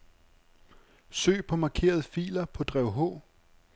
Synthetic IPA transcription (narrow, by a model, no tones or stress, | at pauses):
sø̰ːpʰɒ̽mɑ̈ːkʰe̝̰ːɐð̞̩ˠəfḭːlɐpʰɒ̽d̥ʁɛʊɦɔ̰̽ː